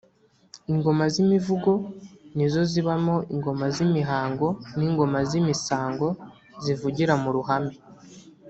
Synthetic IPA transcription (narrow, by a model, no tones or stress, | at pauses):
iŋɡo̞mazimivuɡo̞nizo̞ziβamo̞iŋɡo̞mazimiɦaːŋɡo̞niːŋɡo̞mazimisaːŋɡo̞ | zivuɟiɾamuɾuɦami